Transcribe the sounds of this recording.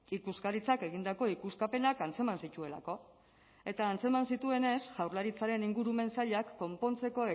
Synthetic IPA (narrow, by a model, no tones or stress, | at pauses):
ikuskaɾit͡sake̞ɣind̪ako̞ikuskape̞nakant͡se̞mansit̪ue̞la̰ko̞ | e̞t̪aːnt͡se̞mansit̪ue̞ne̞sʝawɾlaɾit͡saɾe̞niŋɡuɾume̞nsaʎakːo̞mpo̞nt͡se̞ko̞e